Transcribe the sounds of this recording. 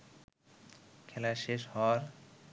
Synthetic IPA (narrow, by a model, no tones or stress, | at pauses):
kʰɛlaʃeʃhɔaɾ